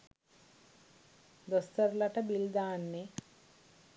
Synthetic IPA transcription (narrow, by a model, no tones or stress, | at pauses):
d̪ɔst̪əɾlaʈabild̪aːnːe